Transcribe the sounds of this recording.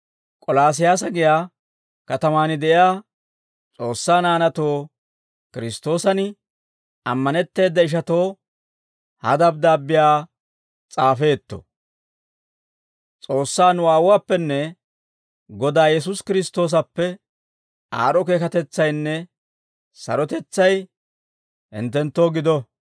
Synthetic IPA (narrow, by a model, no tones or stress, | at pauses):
kʼɔlaːs̬ɪjaːs̬ɐɡɪjaː | kɐt̪ɐmaːnɪd̪ɛʔɪjaː | t͡sʼo̞ːsːaːnaːnɐt̪o̞ː | kɪɾɪst̪o̞ːsɐnɪ | ɐmːɐnɛt̪ːe̞ːd̪ːɐɪʃ̬ɐt̪o̞ː | hɐ̰d̪ɐb̚d̪aːbːɪjaː | t͡sʼaːfe̞ːt̪ːɔ̰ | t͡sʼo̞ːsːaːnʊwaːwʊwaːpːɛnːɛ | ɡɔd̪aːjɛs̬ʊskɪɾɪst̪o̞ːs̬ɐpːɛ | ʔa̰ːɾɔke̞ːkɐt̪ɛt͡sːɐjnːɛ | sɐ̰ɾɔt̪ɛt͡sːɐj | ɪ̰nt̪ːɛnt̪ːo̞ːɡɪd̪ɔ